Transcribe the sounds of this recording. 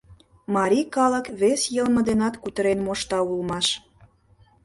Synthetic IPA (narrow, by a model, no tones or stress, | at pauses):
mɑɾʲikɑlə̆kβesjəlmə̆d̪enɑt̪kut̪əɾenmoʃt̪ɑulmɑʃ